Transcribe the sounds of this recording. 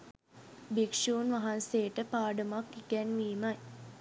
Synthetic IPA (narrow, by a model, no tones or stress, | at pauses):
bikʂuːnʋaɦanseːʈəpaːɖəmakːikɛnʋiːmaj